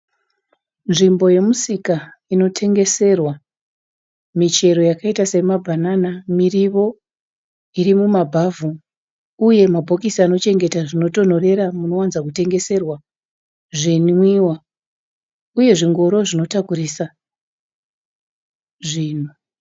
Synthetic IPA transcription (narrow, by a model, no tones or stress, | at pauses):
nʐimbo̞je̞musikaino̞tʰe̞ŋɡe̞se̞rwa | mit͡ʃe̞ɾo̞jakaitase̞mabʱananamiriʋo̞ | irimumabʱavu | uje̞mabʱo̞kisano̞t͡ʃe̞ŋɡe̞taʐino̞to̞n̤o̞re̞ɾamuno̞wanzakute̞ŋɡe̞se̞rwa | ʐinwiwa | uje̞ʐiŋɡo̞ɾo̞ʐino̞takuɾisa | ʐiːn̤u